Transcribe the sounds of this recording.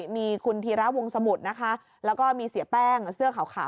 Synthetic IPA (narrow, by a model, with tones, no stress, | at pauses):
miː˧kʰu˧nt̪ʰiː˧ɾa˦˥wo˧ŋsa˧mu˨˩t̪̚na˦˥kʰa˦˥ | lɛː˦˥wkɔː˥˩miː˧si˨˩˦əpɛː˥˩ŋsɯ˥˩əkʰa˨˩˦wkʰa̰ː˨˩˦